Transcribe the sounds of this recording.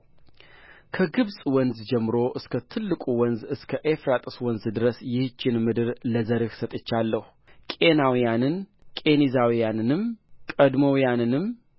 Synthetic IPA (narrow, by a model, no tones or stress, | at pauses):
kʰəɡɨβsʼwɔnzd͡ʒɛmːɨɾoʔɨskʰət̪ʰɨlːɨkʼuwɔnzɨskʰəʔefɾat̪ʼɨswɔnzd̪ɨɾəsjɪht͡ʃːɪnmɨd̪ɨɾləzəɾɨksət̪ʼɨt͡ʃːalːəhu | kʼe̞nawijanɨnkʼe̞nizawijanɨnɨmkʼəd̪mowjanɨnɨm